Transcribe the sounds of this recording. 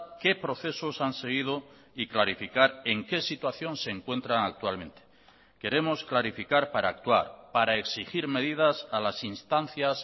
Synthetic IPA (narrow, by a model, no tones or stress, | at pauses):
ke̞pɾo̞θe̞so̞sanse̞ɣ̞ið̞o̞ | iklaɾifikaɾe̞ŋke̞sit̪waθjo̞nse̞ːŋkwe̞nt̪ɾaŋak̚t̪walmẽ̞nt̪e̥ | ke̞ɾe̞mo̞sklaɾifikaɾpaɾaːk̚t̪wa̰ɾpaɾae̞ksixiɾme̞ðið̞asalasinst̪anθjas